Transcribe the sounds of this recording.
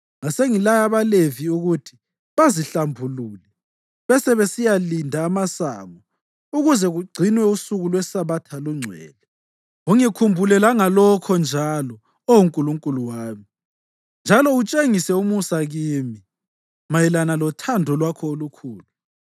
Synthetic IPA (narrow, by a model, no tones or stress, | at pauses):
ŋaseŋilajaβaleviuɣutʰi̥ | βaziɬambʱuluːlɛ | βɛsɛβesijalindʱaːmasa̰ŋɔ | uɣuzɛɣuɡ͡ǀʱinwɛusuɣulwɛsaβatʰaluŋ͡ǀʱwɛ̰ːlɛ | uŋikʰumbʱulɛlaŋalɔkʰɔnd͡ʒʱalɔ | owuŋkʼuluŋkʼuluwaːmi | nd͡ʒʱalɔut͡ʃʼeŋisɛumusaɣiːmi | majɛlanalɔtʰandʱɔlwakʰɔolukʰuːlu